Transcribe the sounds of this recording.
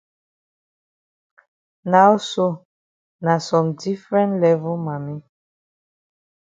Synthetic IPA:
na˦wso˦ | na˨sɔ̃˨mdi˦fɹɛ̃˦ntlɛ˦vu˦ma˨mi˦

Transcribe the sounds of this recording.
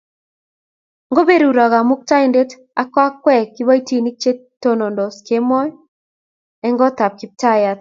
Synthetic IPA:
ŋɡo˦be˦ɾu˨ɾa˨ɣa˨mʊ˦k̚ta˦inde˦t | a˦kwa˦kwɛ˦˨kːɪ˦βa˦i˦ti˨ni˦k̚t͡ʃe˦tːo˦no˨ndɔ˨ske˦mɔ˦j | ɛ˦ŋɡɔ˦t̪a˨p̚kɪ˨˦p̚ta˦ja˨t̪̚

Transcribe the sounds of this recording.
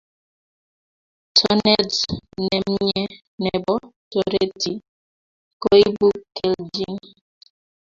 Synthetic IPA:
tʰɔ˦nɛ˦znɛ˨m̩˦ɲɛ˦ | nɛ˨bɔ˦to˨ɾe˦ti˨ | ko˦i˦bu˦kɛ˨ld͡ʒi˦ŋ

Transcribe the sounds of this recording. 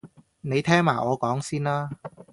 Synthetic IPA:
ne˨˧jt̪ʰɛː˥ŋmaː˨˩ʔɔː˨˧kɔː˨˥ŋsiː˥naː˥

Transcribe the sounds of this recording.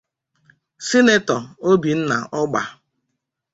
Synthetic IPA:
si˦ne˦tɔ˨o˦bi˨n̩˦na̰˨ʔɔ˦ɡ͡ba̰˨

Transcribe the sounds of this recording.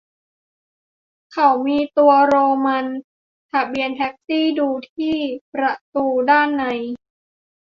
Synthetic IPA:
kʰa˨˩wmiː˧t̪u˧ɐɾoː˧ma˧n | t̪ʰa˧˩bi˧ənt̪ʰɛ˦˥k̚siː˥˩duː˧t̪ʰiː˥˩pɾa˧˩t̪uː˧daː˥˩nːa˧˩j

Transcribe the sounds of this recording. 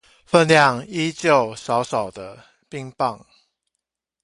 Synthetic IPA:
fə˥˧nljɑ˥˨ŋi˦t͡ɕjo˥˨ʊsɑ˨˦ʊsɑ˨˩ʊd̪ə˦ | pi˥˧ŋpɑ˥˨ŋ

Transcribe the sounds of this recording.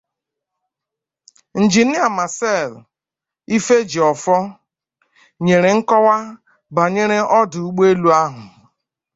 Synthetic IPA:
n̩˨d͡ʒi˨nɪ˦a˨ma˨sɛ˦˨l | i˦fe˦d͡ʒi˨ɔ˨fɔ˦ | ɲe˨ɾe˨ŋ̩˦kɔ˦wa˦ | ba˨ɲe˦ɾe˦ɔ˦dʊ˨u˦ɡ͡be˦lu˦a˦ɦʊ˨

